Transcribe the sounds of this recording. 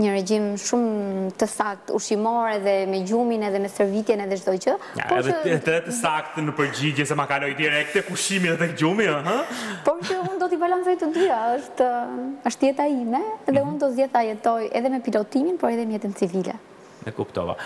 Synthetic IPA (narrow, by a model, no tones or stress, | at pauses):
ɲəɾɛd͡ʑimʃumt̪əsak̚t̪ṵʃimɔɾɛðɛmɛɟuminɛðɛmɛsəɾvit̪jɛnɛðɛt͡ʃd̪ɔjcə̰pɔɛ̰ðət̪ət̪əsak̚t̪nəpəɾd͡ʑid͡ʑɛsɛmakalɔjd̪iɾɛk̚t̪ɛkuʃiminət̪ɛkd͡ʑumiaɦə̃pɔɾsəund̪ɔt̪ibalansɔjt̪əd̪yaəʃt̪əʃt̪jɛt̪aimɛðɛund̪ɔt̪zjɛθajɛt̪ɔjɛ̰ðɛmɛpilɔt̪iminpɔɾɛðɛmjɛt̪ənt͡sivilɛ̰ | nɛ̰kupt̪ɔ̰va̰